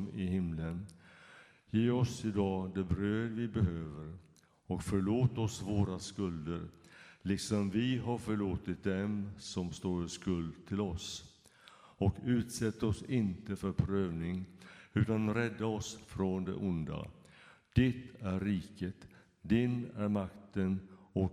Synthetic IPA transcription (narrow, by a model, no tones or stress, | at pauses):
mɪhɪmlən | jeːɔsɪd̪ɑːd̪ɛbɾøːd̪vɪbɛɦøːvəɾ | ɔkfœɭoːt̪ɔsvoːɾaskɵld̪əɾlɪksɔmvɪɦaɾfœɭoːt̪ɪt̪̚d̪ɛmsɔmst̪oːɾskɵld̪t̪ʰɪlɔs | ɔkʉ̟ːt̪sɛt̪ːɔsɪnt̪əfœɾpʰɾøːvnɪŋʉ̟ːt̪anɾɛd̪ːaɔsfɾɔnd̪ɛ̰ʔʊnd̪a̰ | d̪̥ɛt̪æɾːiːkət̪ | d̪ɪnæɾmakt̪ənɔ